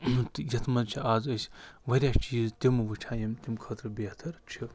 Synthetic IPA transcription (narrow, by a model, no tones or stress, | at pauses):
t̪ɨjɐt̪ʰmɐzt͡ʃʰiʔaːzɐsʲʋɐɾʲjaːst͡ʃiːzt̪ʲimɨʋɨʈʰaːjɐmt̪ʲimkʰət̪ɾɨbet̪ʰɐɾt͡ʃʰi